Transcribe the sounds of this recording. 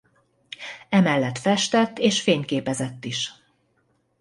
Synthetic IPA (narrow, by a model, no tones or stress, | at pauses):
ɛmɛlːɛt̪fɛʃt̪ɛt̪ːeːʃfeːɲkeːpɛzɛt̪ːiʃ